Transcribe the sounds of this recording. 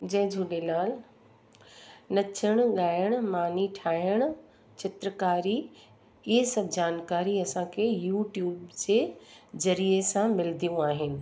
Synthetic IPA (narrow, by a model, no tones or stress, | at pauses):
d͡ʑɐ̃ɦɪ̃d͡ʑʱuːɗelaːl | nɐt͡ɕʰəɽ̃ʊɠaːjəɽ̃maːniʈʰaːjəɽ̃ʊ̆ | t͡ɕɪt̪ɾəkaːɾi | ɪɦesɐbd͡ʑaːnkaːɾiɐsãkʰejuːʈjuːbd͡ʑeːzɐɾiesãmɪld̪ʱijũaːɦɪnɪ̆